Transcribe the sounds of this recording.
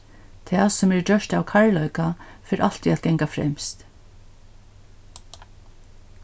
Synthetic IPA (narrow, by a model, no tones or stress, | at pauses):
t̪ʰɛaːsʊmɛɹd͡ʒœʃt̪awkʰaɹlœɥkafɛːɾʔalt̪iat̪̚ɡɛŋkafɾɛ̰mst̪